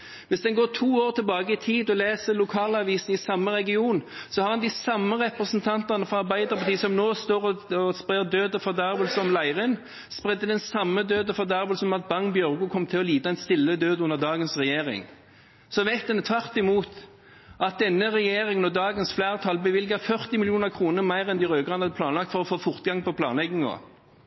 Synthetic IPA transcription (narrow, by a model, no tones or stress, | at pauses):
ʋɪsd̪ɛnɡoːʈʰuːoːʁt̪ʰɪlbɑːɡəɪt̪ʰiːd̪ɔleːsəlʊkʰɑːlɑʋiːsn̩ɪsɑmːəɾɛɡɪuːnsɔhɑʁɑnd̪ɪsɑmːəʁɛpʁəsənt̪ʰɑnt̪ɑʁnəfɔɑʁbæɪd̪əʁpʰɑt̪iːsɔmnoːst̪oːʁɔɔspʁeːd̪øːd̪əfɔʁd̪ɑʁʋəlsɔmlæɪʁən | spʁɛd̪ːəd̪ɛnsɑmːəd̪øːd̪əfɔd̪æɾʋəlsɔmɑt̪̚bɑŋbjœʁɡʉkʰɔmːt̪ʰɪlɔliːd̪ɑɛnst̪ɪlːəd̪øːd̪ʊnːəʁd̪ɑːɡənsʁɛjeːʁɪ̰ŋ | sɔʋæɪt̪̚ɛnət̪ʰʋɑʁt̪ɪmuːt̪ | ɑt̪̚d̪ɛnːəʁɛjeːɾɪŋənɔd̪ɑːɡənsflæːʁt̪ʰɑlbəʋɪlɡəfœʁt̪ɪmɪlɪuːnəʁkʰʁuːnəʁmæɪʁɛnd̪ɪʁøːɡɑnhɑd̪əpʰlɑːnlɑkt̪fɔʁɔfoːfʊʁt̪ɡɑŋpʰɔpʰlɑ̰ːnlɛɡnɪŋɔ̰